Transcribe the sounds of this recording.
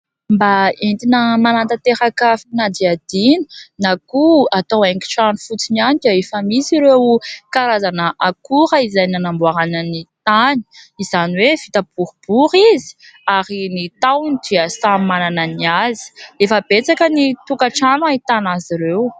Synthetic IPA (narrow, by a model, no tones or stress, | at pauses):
mbaent̪inəmanant̪at̪eɾakafnad̪iad̪̥inə̥nakuat̪oweŋki̥ʈ͡ʂanufut͡sinianikaefamisiɾewkaɾazanəʔakuɾəizajnanambuaɾanənit̪ani̥iz̥aniwev̥it̪ab̥uɾub̥uɾizi̥ | aɾinit̪awnid̪iasamanananiazi̥efəb̥et͡sakənit̪ukaʈ͡ʂanait̪anaziɾew